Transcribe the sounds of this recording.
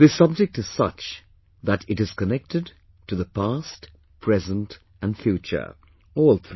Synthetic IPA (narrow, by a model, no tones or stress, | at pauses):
ðɨsʌb̚d͡ʒɨk̚tɨz̥sʌ̰t͡ʃ | ðɨɾɨɾɨz̥kɨnɛk̚tɨd | tʰɨðəpʰæst | pʰɹ̥ɛzə̃nt | ɨ̃nfjʉt͡ʃə̰˞ | ɔlˠθ